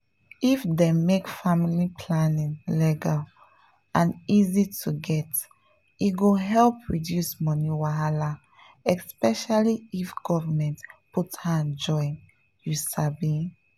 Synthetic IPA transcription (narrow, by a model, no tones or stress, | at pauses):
ifdemekfamilipʰlanĩŋlɛɡal | ʔãnizitʰuɡɛt | iɡoɦɛlpʰɹidjusmɔniwaɦala | ɛspɛʃaliifɡ̥ɔvamɛ̃ntputhãnd͡ʒɔ̃ɪ̃n | jusabi